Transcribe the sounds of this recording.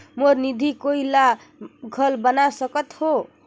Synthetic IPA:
moɾnid̪ʱikoila | ɡʱəlbənasəkət̪ho

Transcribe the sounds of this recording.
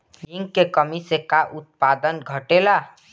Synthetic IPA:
liŋkekəmisekaʔut̪̚pad̪ənɡʱəʈela

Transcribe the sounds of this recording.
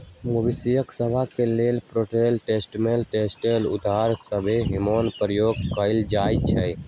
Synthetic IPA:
mobisijəksəbʱakeleːlpɾoːʈeːlʈeːsʈmelʈeːsʈelʊ̰d̪ʱaːɾsəbʱeɦɪmoːnpɾəjoːɡ̚kəɪld͡ʒaːjt͡ʃʰɛ

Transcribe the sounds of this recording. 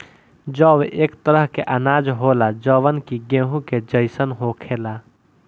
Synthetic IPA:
d͡ʒɔːweʔeːkt̪əɾəɦkeʔɐnaːd͡ʒɦoːlad͡ʒɔːwənkiɡẽːɦũked͡ʒəɪsənɦoːkʰeːlaː

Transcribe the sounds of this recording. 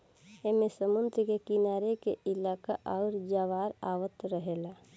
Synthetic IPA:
emesəmʊnd̪ɾkekinaːɾekeɪlaːkaʔaʊɾd͡ʒaʋaːɾaːʋət̪ɾəɦela

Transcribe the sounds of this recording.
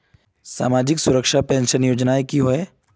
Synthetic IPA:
sa̰ːmaːd͡ʒɪksʊɾəkʃapɛ̃ːnʃənjoːd͡ʒnaːekiɦoe

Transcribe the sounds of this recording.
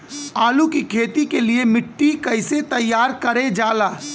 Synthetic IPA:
aːlukikʰeːt̪ikeliemɪʈːikɐɪset̪ɐjːaːɾkɐɾed͡ʒaːlaː

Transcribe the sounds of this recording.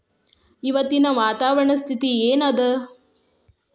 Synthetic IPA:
iʋɐt̪ːinɐʋaːt̪aːʋɐɾɐɳɐst̪ʰit̪ieːnɐd̪e

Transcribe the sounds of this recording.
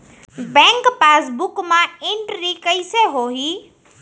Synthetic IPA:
bɛ̃ːŋkpaːsbʊkmãɪ̃ɳʈɾikəiseɦoːɦiː

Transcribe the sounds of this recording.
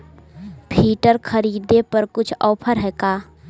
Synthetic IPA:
pʰiːʈəɾkʰəɾiːd̪epɐɾkʊt͡ʃʰɔːpʰəɾɦɛːkaː

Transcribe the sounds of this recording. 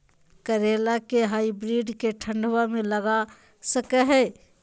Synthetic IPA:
kəɾeːlakeɦaːibɾiːɖkeʈʰə̃ɳɖwamẽləɡa | səkɛɦɛː

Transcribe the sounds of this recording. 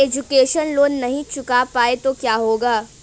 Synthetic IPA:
eːd͡ʒʊkeːʃənloːnːɐɦĩt͡ʃʊkapaːet̪okjaːɦoːɡaː

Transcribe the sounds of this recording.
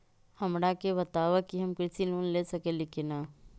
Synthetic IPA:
hɐmɽakebɐt̪aːʋəkiɦɐmkɾɪsiluːnlesɐkelɪkenaː

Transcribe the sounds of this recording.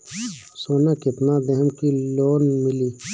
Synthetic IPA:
soːnakip̪nad̪ɐɦəmkiloːnmɪliː

